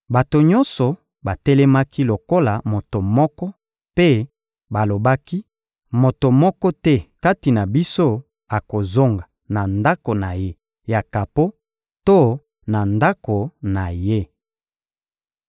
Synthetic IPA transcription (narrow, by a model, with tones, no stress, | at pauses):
ba˨to˨ɲɔ˦nsɔ˨ | ba˨tɛ˦lɛ˦ma˦ki˦lo˨ko˦la˨mo˨to˨mɔ˦kɔ˦ | pe˦ | ba˨lo˨ba˦ki˦ | mo˨to˨mɔ˦kɔ˦tɛ˦ka˦ti˨na˨bi˦so˦ | a˨ko˨zo˦ŋɡa˨ | na˨nda˦ko˨na˨je˦ | ja˨ka˨po˦ | to˦ | na˨nda˦ko˨na˨je˦